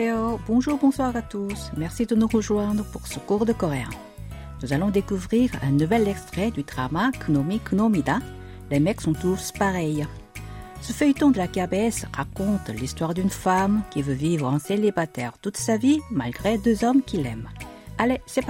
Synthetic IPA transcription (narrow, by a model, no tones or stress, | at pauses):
ɔbɔ̃ʒuːʁbɔ̃swaʁat̪usmɛʁsid̪ənuʁəʒwɛ̃d̪ʁəpuʁsəkuʁd̪əkɔʁeã̰ | nuzalɔ̃d̪ekuvʁiʁɛ̰̃nuvɛlɛkst̪χɛd̪yd̪ʁamakʰnomiknomid̪ɛ̃ | lemɛksɔ̃t̪uspaʁɛj | səfœjt̪ɔ̃d̪əlakabeɛsʁakɔ̃t̪list̪waʁd̪ynfamkʲivøvivʁɑ̃selibat̪ɛʁt̪ut̪savimalɡʁed̪øzɔmkʲilɛm | alesɛ